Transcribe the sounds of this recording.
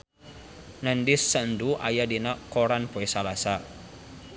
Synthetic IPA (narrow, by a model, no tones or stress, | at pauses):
nəndisːənduʔa̰jadinakɔɾanpoɛsalasa